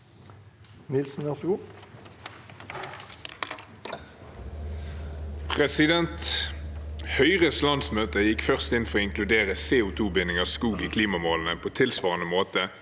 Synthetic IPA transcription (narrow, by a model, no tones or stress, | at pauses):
nɪlsn̩ʋæʁsɡuː | pʰʁɛsɪd̪ɛnt̪ | hœʏʁəslɑnsmøːt̪əjɪkfœʁst̪ɪnfɔʁoːɪŋkʰlʉd̪eːʁəseːʊt̪ʰuːbɪnɪŋəskuːɡiːkʰliːmɑmoːln̩əpʰoːt̪ʰɪlsʋɑːʁənəmoːt̪ə